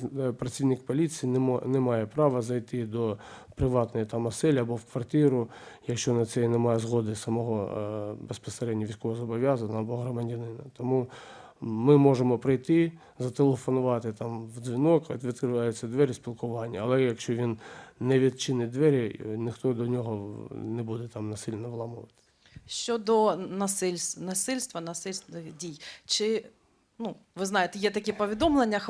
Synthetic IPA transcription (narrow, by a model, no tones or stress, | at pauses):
pɾɐt͡sʲiwnɪkpɔlʲit͡sʲijinɛmɑjɛpɾɑʋɐzɐjt̪ɪd̪ɔpɾɪʋɑt̪nɔjit̪ɑmɐsɛlʲiɐbɔwkʋɐrt̪iɾʊ | jɐkʃt͡ʃɔnɐt̪sɛnɛmɑjɛzɦɔd̪ɪsɐmɔɦɔbespɔseɾɛdʲnʲɐʋʲijsʲkɔʋɔzɔbɔʋʲjazɐnɐɐbɔɦɾɐmɐdʲɐnɪnɐt̪ɔmu | mɪmɔʒemɔpɾɪjt̪ɪ | zɐt̪elˠefɔnʊʋɑt̪ɪt̪ɑmwd͡zzʲʋʲinɔk̪ʲʋʲid̪̚kɾɪʋɑjʊt͡sʲːɐd̪ʋɛɾʲispʲilˠkʊʋɑnʲːɐɐlˠɛjɐkʃt͡ʃɔʋʲinːɛʋʲid̪̚t͡ʃɪnɪd̪ʋɛɾʲinɪxt̪ɔd̪ɔnʲɔɦɔnɛbud̪ɛt̪ɑmnɐsɪlʲnɔʋlˠɑmʊʋɐt̪ɪ̥ | ʃt͡ʃɔd̪ɔnɐsɪlʲsnɐsɪlʲst̪ʋɐnɐsɪlʲst̪nɪdʲijt͡ʃɪ | nuʋɪznɑjet̪ɛjɛt̪ɐkʲɛpɔʋʲid̪ɔmlˠenʲːɐ